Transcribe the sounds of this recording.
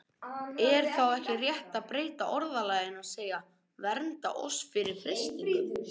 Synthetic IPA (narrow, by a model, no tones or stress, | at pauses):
ɛɾ̥θawɛhcɪrjɛht̪aðpɾeːjt̪aʔɔɾðalaːjðɪnaðseːjɣa | vɛɾnt̪a̰ʔɔ̰sfɪɾɪɾ̥fɾɪst̪iŋkʏm